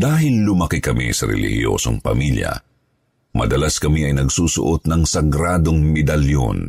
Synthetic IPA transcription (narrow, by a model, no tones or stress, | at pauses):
d̪aːɦɪllʊmɐkɪkɐmḭsɐɾɛ̰lɪ̰hɪ̰jo̰ːso̰ŋpɐ̰miljɐ̰ | mʔɐd̪ɐlaskɐmiɐjnɐɡsuːsʊ̰ʔot̪̚nɐŋsɐɡɾaːd̪oŋmɛd̪ɐljo̰n